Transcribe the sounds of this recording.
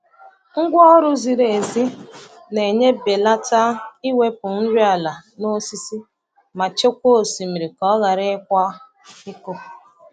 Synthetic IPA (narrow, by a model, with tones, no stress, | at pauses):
ŋ̩˦ɡʷɔ˦ɾʊ˦zi˨ɾe˨zi˦ | ne˨ɲe˦be˨la˦ta˦i˦we˦pʊ˨n̩˦ɾi˦a˨la˨no˦si˦si˦ | ma˨t͡ʃe˦kʷo˦o˨si˨mi˨ɾi˨kɔ˦ɣa˨ɾɪ˦kʷa˦ | ɪ˦ko˦